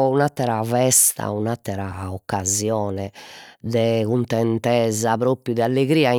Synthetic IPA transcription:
unat̪ːɛɾavɛst̪a̰unat̪ːɛɾaɔkːazjɔːnɛd̪ɛkunt̪ɛnt̪ɛːzapɾoːpɾjud̪ɛalːeɣɾiːai

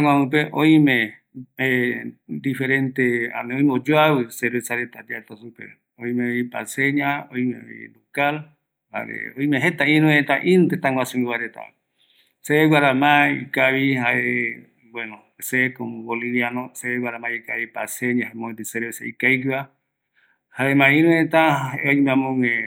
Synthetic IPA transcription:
t̪aŋʷãɨ̃peʔoĩmẽ | ed̪ifeɾent̪ea̰neõj̃meod͡ʒoawɨseɾesaɾet̪ad̪iat̪asupḛ | oĩmẽoipa̰seɲaojmḛ̃o̰ḭlokal | ha̰ɾḛoĩmẽɦet̪aĩɾũet̪aʔĩnt̪et̪aŋwasumiwaɾet̪a̰ | seeɡwaɾamãikaβihaʔe | bweno | sekomoboliβjanoseewaɾamãikaβipaseɲãɦamõed̪iseɾesaikaikiβa | haemãĩɾũẽt̪aeojmãmõŋe

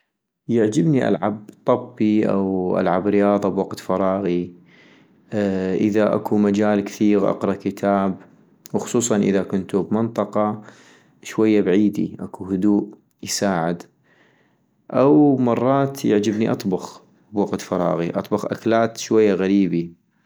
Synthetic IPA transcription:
jaʕd͡ʒɪbniʔa̰lʕab̚t̪ˤɑbːiʔa̰wʔa̰lʕabɾɪjɑːðˤɑbwaɡt̪fɑɾˤɑːɣi | ʔɪðaʔa̰kumad͡ʒaːlkθiːɣʔɑ̰qɾˤɑkɪt̪ʰaːb | wxʊ̥sˤuːsˤɑnʔɪ̰ðakʊnt̪ubmɪnt̪ˤɑqɑ | ʃwajːabʕiːd̪ḭʔakuhʊd̪uːʔ | jsaːʕɪd̪ | ʔawmɑrˤːɑːt̪jɪʕd͡ʒɪbniʔɑt̪ˤbɑx | bwaɡt̪fɑɾˤɑ̰ːɣiʔɑ̰t̪ˤbɑɣʔa̰klaːt̪ʃwajːaɣaɾiːbi

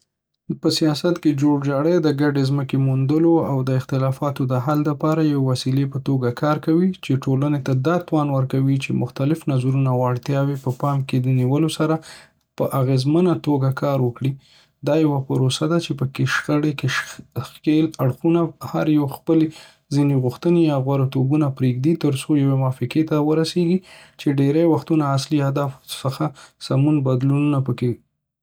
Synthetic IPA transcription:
pəsijɑsat̪ked͡ʒoɽd͡ʒɑɽəjd̪əɡaɖezməkemund̪əloawd̪əɪxt̪ɪlɑfɑt̪od̪əɦald̪apɑɾajawewasilepət̪oɡakʰɑɾkawit͡ʃeʈolənet̪ad̪ɑt̪wɑnwəɾkawit͡ʃemʊxt̪alɪfnazɾunawɑɽt̪jɑwepəpɑmked̪əniwəlosaɾa | pəʔaɣezmənat̪oɡakʰɑɾwəkɽi | d̪ɑjawapəɾosad̪at͡ʃepəkeʃxəɽekexelaɽxunahaɾjawxpəle | zineɣʊxt̪ənejɑɣwaɾat̪obunapɾeɡd̪it̪əɾsojawemɑfɪket̪awəɾaseɡit͡ʃeɖeɾajwaxt̪unaːsliad̪ɑfsəxasamunbad̪lununapəke

